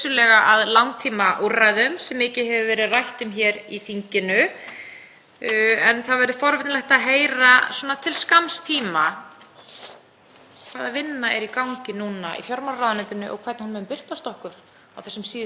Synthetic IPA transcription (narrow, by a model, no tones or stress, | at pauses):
sʏlɛɣaʔaðlawŋt̪ʰiːmaʔurajðʏmsɛmɪːcɪhɛvʏvɛːɾɪðrajht̪ʏmçɛɾiθiɲcɪnʏ | ɛnθaðvɛɾðʏfɔɾvɛt̪nlɛht̪aðɦeːjɾaswɔnat̪ʰɪlskamst̪ʰiːma | kʰv̥aːðavɪnːaɛɾikawŋcɪnuːnaḭfjɔɾmawɾraːðʏnɛt̪ʏnʏʔɔ̰ɣkʰvɛt̪nhanmɛʏmpɪr̥t̪ast̪ɔhkʏɾ̥ | a̰wθɛsːʏmsiːð